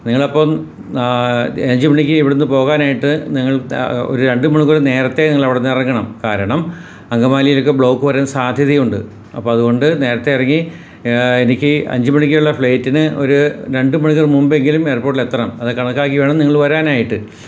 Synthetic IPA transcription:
niŋːɐɭɐpːoːm | ɐɲd͡ʑɨmɐɳikʲːɨiʋiɽunːɨpo̞ːɣaːnaːjiʈːɨniŋːɐɭo̰ɾuɾe̞ɳɖɨmuɳikːɐrne̞ːɾɐt̪ːe̞niŋːɐɭɐʋiɽenːɨirɐŋːɐɳɐmkaːɾɐɳɐm | ɐŋɡɐmaːlijilokːe̞bɭo̞ːkːɨpɐɾeːnsaːd̪ʱjɐðijuɳɖɨ | ɐ̰pːoːɐðuɣo̞ɳɖɨne̞ːɾɐt̪ːe̞jirɐŋːi | enikʲːɨɐ̰ɲd͡ʑɨmɐɳikʲːiuɭːɐfɭejtːinɨo̞̰ɾuɾe̞ɳɖɨmɐɳikːɐrmumbe̞ŋɡilume̞ːrpoːʈ̬ːilet̪ːrɐmɐðɨkːɐɳɐkːaːkːiʋeːɳɐmniŋːɐɭʋɐɾaːnaːjiʈːɨ

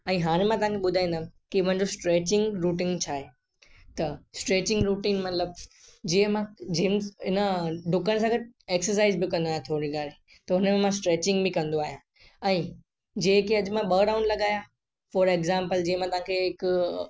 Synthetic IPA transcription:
ɛ̃ːɦaːɽ̃ẽmãt̪ɐɦãkʰeɓʊd̪ʱaːĩnd̪ãː | kimə̃ɦɪ̃ɲd͡ʑosʈɾeːt͡ɕɪ̃ŋɡɾuːʈɪ̃ŋɡt͡ɕʰaːɦe | t̪ɐsʈɾeːt͡ɕɪ̃ŋɡɾuːʈiːnmɐt̪ləb̚d͡ʑiːə̃mãd͡ʑiɪnəɖʊkəñs̬ãɡɐʈ̚eːksəɾsaːɪzbɪkɐ̃nd̪oaːjãt̪ʰoːɾiɡaːɾe | t̪ɐɦʊnəmẽmãsʈɾeːt͡ɕɪ̃ŋɡbĩkɐ̃nd̪oaːɦijã | ɛ̃ː | d͡ʑẽːkeɐd͡ʑmãɓəːɖaʊ̃ɳɖlɐɠaːja | fɔːɾeɡzãːmpəld͡ʑiːɦə̃mãt̪ɐʋãkʰeɪk

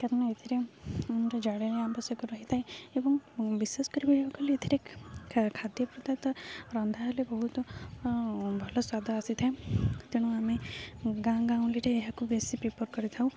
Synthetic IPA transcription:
kaɾɔnaet̪ʰiɾeunɾɔd͡ʒaɽjeleambɔsjɔkɔɾɔɦit̪ʰajebɔŋbiseskɔɾibʱiɖiɔkɔleet̪ʰiɾe | kʰad̪jɔpɾud̪at̪ɔɾɔnd̪ʱaɦlebɔɦut̪ɔ | bʱɔlɔswad̪ʱɔasit̪ʰaẽt̪eɽ̃uameɡãɡãw̃liɾeːɦakubesipɾepɔɾkɔɾit̪ʰaw̃

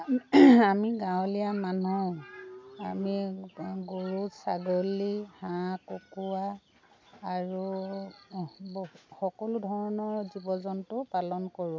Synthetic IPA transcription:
amiɡãwlijamanɔ | amiɡoɹutsa̰ɡolihãkokuwaː | ɹu | bxɔkɔludʱɔɹɔnɔɹzibɔzɔntʊpalɔnkoɹũ

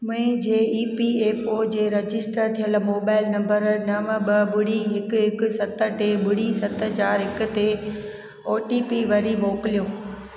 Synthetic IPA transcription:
mʊ̃ɦẽd͡ʑeːiːpieːpoːd͡ʑeːɾɐd͡ʑɪsʈəɾt̪ʰijəlmoːbaːɪlnɐ̃mbəɾnɐʋə̃ɓɐɓʊɽiɦɪkʊɦɪkʊ̆sɐt̪əʈeɓʊɽ̤isɐt̪ɦəd͡ʑaːɾɦɪkʊ̆t̪e | oːʈiːpiʋɐɾimoːkɪlijoː

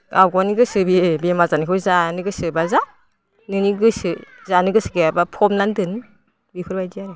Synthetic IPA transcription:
ɡawɡɔniɡɯsɯbiebemazanikʰɯwzanɯɡɯsɯbaza | nɯniɡɯsɯzanɯɡɯsɯɡeabapʰɔmnandɯn | bikʰɯɾbajdiaɾɯ

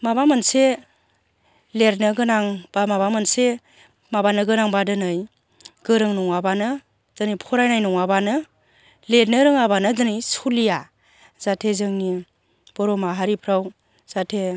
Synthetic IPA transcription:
mabamɯnse | leɾnɯɡɯnaŋb̥amabamɯnse | mabanɯɡɯnaŋbadɯnɯj | ɡ̥ɯɾɯŋnɔŋabanɯ | dɯnijpʰɔɾajnajnɔŋabanɯ | leɾnɯɾɯŋabanɯdɯnijsulija | z̥atʰezɯŋni | b̥ɔɾɔmaɦaɾipʰɾaw | z̥atʰe

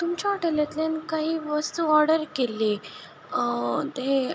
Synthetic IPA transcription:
t̪umt͡ɕaʋaʈəlat̪lenkaɦiːʋəst̪uɔɾɽəɾkelːi | t̪e

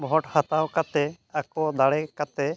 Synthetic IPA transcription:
bʱɦɔʈhat̪awkat̪ɛ | akɔd̪aɽɛkat̪ɛ

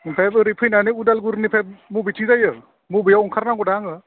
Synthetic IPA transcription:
pʰabɯɾipʰɯjnanɯudalɡuɾnipʰab̚mubit͡ʃizajɯ | mubɯjawuŋkʰaɾnaɡɔdaŋɯ

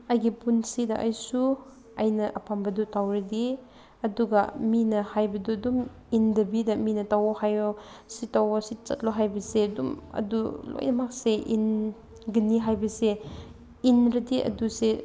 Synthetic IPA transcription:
ɐjɡipunsidɐʔajsu | ajnɐʔɐpʰambɐdutawɾedi | ɐduɡaminɐhajbɐdudum | indɐbidɐminɐtawɔhajo | sitawɔsit͡ʃɐ̰t̚loɦajbɐsedumɐ̰dulo̰jnɐmak̚seʔḭn | ɡɐniɦajbɐse | inɾɐdiʔɐ̰duse

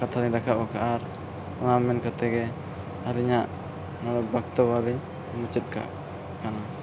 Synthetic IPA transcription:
kat̪ʰaɾɛɲdakʰaʔbakaʔaɾ | ɔnamɛnkat̪ɛɡɛ | aɾiɲaʔ | nɔɾɔbak̚t̪ɔbaliɲ | mut͡ʃɛt̪̚ka̰ʔ | kana

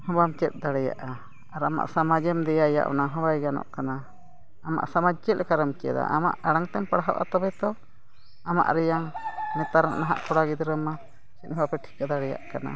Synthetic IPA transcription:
hɔ̃bamt͡ʃɛt̪̚ˀd̪aɽɛja̰ʔa | aɾama̰ʔsamad͡ʒɛmd̪ɛjaja̰ʔɔ̰naɦɔ̃bajɡanɔ̰ʔkana | ama̰ʔsamad͡ʒt͡ʃɛt̪̚kaɾəmt͡ʃɛ̰d̪a̰ʔama̰ʔaɽaŋt̪ɛmpaɽɦa̰wʔa̰t̪ɔbɛt̪ɔ | ama̰ʔɾɛjaŋnɛt̪aɾa̰ʔnaɦaʔkʰɔɽaɡid̪ɾəma | sit̪̚hbapɛʈʰi̥kad̪aɽɛja̰ʔkana̰

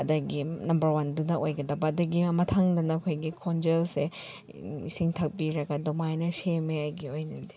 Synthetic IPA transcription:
ɐdɐɡinɐmbɐɾwandunɐʔojɡɐdɐbɐɐdɐɡimɐtʰaŋdɐnɐkʰojɡikʰond͡ʒelse | isiŋtʰak̚biɾɐɡɐdomajnɐsemeajɡiojnɐdi̥

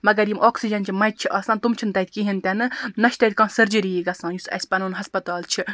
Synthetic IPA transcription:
mɐɡɐɾjimʔoːksid͡ʒɐnt͡ʃʰimɐjt̪̚t͡ʃʰiʔɐːsãːnt̪umt͡ʃʰint̪ɐjt̪̚kiɦint̪ʲɐnɨnɐʃt̪ɐjt̪̚ʲkãːnsɐɾd͡ʒiɾijiɡɐsãːnjusɐ̰sʲpɐnuːnɦɐspɐt̪aːlt͡ʃʰi

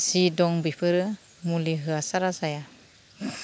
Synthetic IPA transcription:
sidɔŋbipʰɯɾɯ | muliɦɯasaɾasaja

